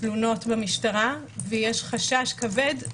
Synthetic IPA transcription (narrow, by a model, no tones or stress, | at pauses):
luno̞tbamiʃtaʁa | vejeʃχaʃaʃkave̞d